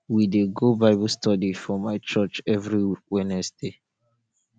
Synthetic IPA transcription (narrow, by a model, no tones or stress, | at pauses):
wideɡobaɪbɔstɔdifɔmaɪt͡ʃɔt͡ʃɛvɹiwɛnɛsd̥e